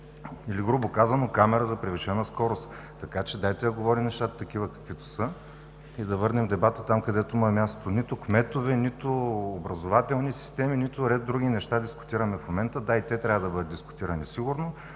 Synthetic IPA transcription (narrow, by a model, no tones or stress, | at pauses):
iliɡɾubokazɐnokamɛɾəzɐpɾɛviʃɛnəskɔɾost̪ | t̪ːɐkat͡ʃɛd̪ajt̪ɛjɐɡovɔɾimnɛʃt̪at̪ət̪ɐk̟ivəkɐ̥kvit̪ʊ̥sɤ | id̪ɐvɤɾnɛmd̪ɛbat̪ət̪amkɐd̪ɛt̪ʊimmʲast̪onit̪ʊkmɛt̪ovɛnit̪ʊobɾɐzovat̪ɛlˠnisi̥st̪ɛminit̪ʊɾɛd̪̚d̪ːɾuɡ̟ʲinɛʃt̪ad̪iskʊ̥t̪iɾɐmɛfmomɛnt̪əd̪ait̪ɛt̪ɾʲavəd̪ɐbɤd̪ət̪d̪iskʊ̥t̪iɾənisiɡuɾno